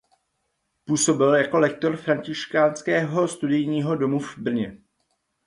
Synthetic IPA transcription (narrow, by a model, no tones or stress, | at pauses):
puːso̞bɪljako̞lɛk̚t̪o̞ɾfɾaɲcɪʃkaːnskɛːɦo̞st̪udɪjɲiːɦo̞do̞muvbr̩ɲɛ